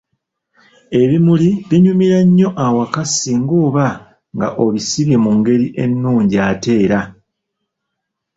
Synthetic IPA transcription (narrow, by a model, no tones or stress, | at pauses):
e̞βimuliβiɲumiɾaɲːo̞ʔawakasiŋɡoːβa | ŋɡa̰ʔo̞βisiβimuŋɡe̞ɾiʔe̞nːuːɲɟiate̞ːɾa